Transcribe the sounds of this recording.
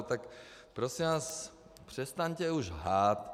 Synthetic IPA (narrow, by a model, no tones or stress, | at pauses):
t̪akpɾosimvaːs | pr̝̥ɛst̪aɲcɛuʒɦaːt̪